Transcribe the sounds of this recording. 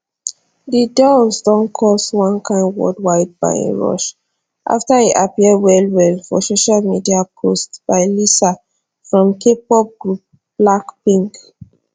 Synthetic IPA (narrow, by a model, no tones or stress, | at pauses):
didɔsdɔ̃nkʰɔswãnkʰãɪ̃nwɔ̰dwaɪd̚ba̰ɪḛ̃ɹɔ̰ʃ | ʔa̰ftaiʔapiɛdwɛlwɛlfɔ̰soʃalmidiapʰostb̥aɪlisa | fɹɔ̃mkʰep̚ɔb̚ɡɹup̚ | b̥lakpĩŋk